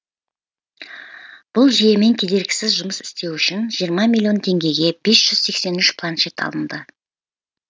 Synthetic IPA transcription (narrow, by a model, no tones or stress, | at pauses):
b̥ʊlˠʒije̞me̞nkʲʰe̞d̪e̞ɾɡʲɪ̥sɪzʒʊməsɪ̥st̪e̞wʏʃɪnʒijəɾmɑmilʲijo̞nt̪ʰe̞ŋɡʲe̞ɡʲe̞b̥e̞sʒ̥ʏz̥se̞kse̞nʏʃpʰlˠanʃet̪ɑ̰lˠənd̪ə